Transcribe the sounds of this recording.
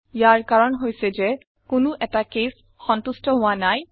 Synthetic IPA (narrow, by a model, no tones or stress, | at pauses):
ijaɹkaɹɔnɦojsɛzɛ | kʊnʊʔɛtakes | xɔntustɔɦʊwanaj